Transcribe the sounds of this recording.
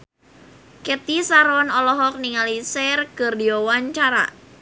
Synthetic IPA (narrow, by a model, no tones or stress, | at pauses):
kɛt̪isaɾɔnɔlɔɦɔk̚niŋalisɛrkɨrdiɔwaɲt͡ʃaɾa̰